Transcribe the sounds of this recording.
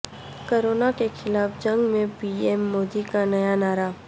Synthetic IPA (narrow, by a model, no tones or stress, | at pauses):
koːɾoːnakexʰɪlaːfd͡ʒɐ̃ŋɡmẽpiːeːmːoːd̪ikanɐjanaːɾa